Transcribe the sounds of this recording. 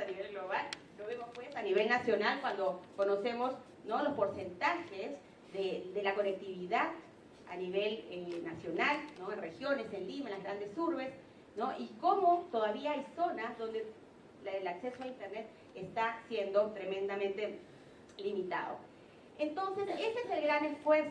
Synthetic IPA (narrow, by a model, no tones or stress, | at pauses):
aniβelɣlo̞βal | loβemospwe̞saniβe̞lnasjo̞nalkwand̪o̞kono̞se̞mo̞s | nolospo̞ɾse̞nt̪axez | ðed̪e̞lako̞ne̞k̚t̪iβiðað | a̰niβe̞lenasjo̞nalnoenre̞xjo̞ne̞senlimanlazɣɾand̪e̞suɾβe̞s | noʔiko̞mo̞t̪o̞ðaβiaajso̞nazðo̞nd̪e | lakse̞soaint̪eɾne̞t̪̚ | est̪asje̞nd̪o̞t̪ɾe̞mẽnd̪amẽnt̪e̞ | limit̪a̰ðo̰ | e̞nt̪o̞nse̞se̞seeselɣɾanesfweɾs